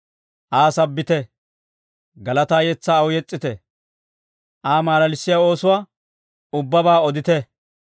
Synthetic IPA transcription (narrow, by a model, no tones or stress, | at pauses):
ʔaːsɐbːɪt̪ɛ | ɡɐlɐt̪aːjɛt͡sːaːɐwʊjɛt͡sʼːɪt̪ɛ | ʔaːmaːlɐlɪsːɪjao̞ːsʊwaː | ʊbːɐbaːɔd̪ɪt̪ɛ